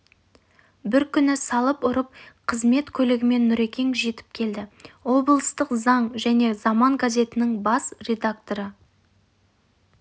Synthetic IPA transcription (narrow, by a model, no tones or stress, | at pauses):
bɪɾkʲʰʏnɪsɑlˠəpʊɾəp̚qʰəzme̞t̪kʲʰɵlɪɡʲɪme̞nːʊɾe̞kʲe̞ŋʒe̞t̪ɪ̥p̚kʲʰe̞ld̪ɪwo̞blˠəst̪əqzɑɴʒæne̞zɑmɑɴɡazʲe̞t̪ɪnɪŋbɑsrʲe̞d̪akt̪o̞ɾə